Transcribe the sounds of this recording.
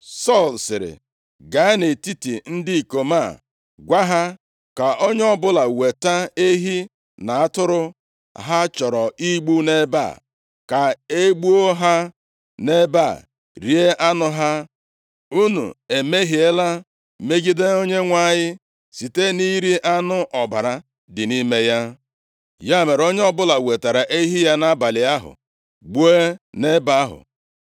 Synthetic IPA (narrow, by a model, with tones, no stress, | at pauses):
sɔ˦˨lsɪ˨ɾɪ̰˨ | ɡa˨˦ne˨ti˦ti˨n̩˦di˦˨ko˨ma˦˨ | ɡʷa˦ɦa˦ | ka˨ʔo˦ɲ˦ɔ˦bʊ˦la˨we˨ta˦e˦ɦi˦ | na˨a˦tʊ˦ɾʊ˦ | ɦa˦t͡ʃɔ˨ɾɔ˨i˦ɡ͡bu˦ne˦ba̰˦˨ | ka˨e˦ɡ͡bu˦o˦ɦa˦ | ne˦ba˦˨ | ɾi˨˦e˦ʔa˦nʊ˦ɦa˦ | u˦nṵ˨e˨me˦ɦi˨e˦la˦ | me˦ɡi˦de˦o˦ɲe˦ŋʷa˦˨ɲɪ˦ | si˨te˦ni˦ɾi˦ʔa˦nʊ˦ʔɔ˨ba˨ɾa˨ | dɪ˨ni˦me˦ja˦ | ja˦˨me˨ɾo˦ɲe˦ɔ˦bʊ˦la˨we˨ta˨ɾa˨ʔe˦ɦi˦ja˦na˦ba˨lɪ˨a˦ɦʊ̰˨ | ɡ͡bu˦e˦ne˦ba˦ɦʊ̰˨